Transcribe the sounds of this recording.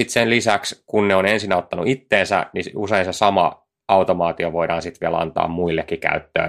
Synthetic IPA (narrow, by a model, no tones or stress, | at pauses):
it̪senlisækskunneonensinæot̪ːɑnṵit̪ːeːnsæ̰niuseinsesɑmɑ̰ | ɑut̪omɑːt̪ioʋoiɾɑːnsit̪ʋiælɑ̰nt̪ɑ̰ːmmuilːekːikæ̰yt̪ːø̰ː